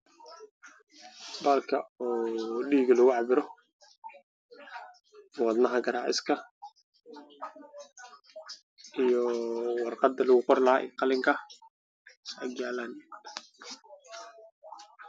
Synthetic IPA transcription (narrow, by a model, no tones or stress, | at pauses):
bɐːlkʰɐɔːɗiːɡɐlʊɣʊʕɑbɪɾɔ | wɑd̪nɐɦɐɡɐɾaːʕɪ̰skʰɐ | ʔijɔwɑrqɑd̪ɐlʊɣʊqɔrlaʔɛ̰ːqɑlɪŋkʰɐ | aɡjaːlaːn